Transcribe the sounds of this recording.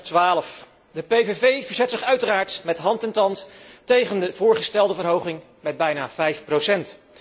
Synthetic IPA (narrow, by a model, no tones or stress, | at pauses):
tʋaːləf | dəpejvevejvəɹzɛtsɪχœɥtəraːɹtmɛtɦɑntɛntɑnttejχəndəvʊːɹχəstɛlˠdəvəɹɦowχɪŋ | mɛd̚bɛjnaːvɛjfprowsɛnt